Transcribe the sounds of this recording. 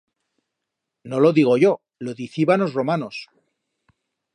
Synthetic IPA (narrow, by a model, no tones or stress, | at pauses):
no̞lo̞ðiɣ̞o̞ʝo | loðiθiβano̞zro̞manos